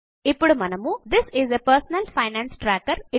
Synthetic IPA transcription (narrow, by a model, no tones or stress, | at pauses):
ɪpɽmɐnɐmud̪ɪsɪzepəɾsnəlfaɪnæ̃ːnsʈɾækəɾɪ